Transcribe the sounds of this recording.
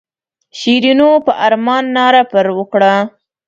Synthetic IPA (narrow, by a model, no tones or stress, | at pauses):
ʃiɾinopəʔaɾmɑnːɑɾapəɾwəkɽa